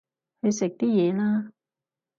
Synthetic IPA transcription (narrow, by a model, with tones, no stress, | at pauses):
kɵ˨˧jsɪ˨k̚t̪iː˥jɛː˨˧laː˥